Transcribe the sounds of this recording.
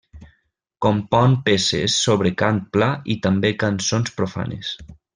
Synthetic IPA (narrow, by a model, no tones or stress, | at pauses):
kompɔnpesḛsːoβɾekant̪̚plait̪ambekansonspɾofa̰nḛs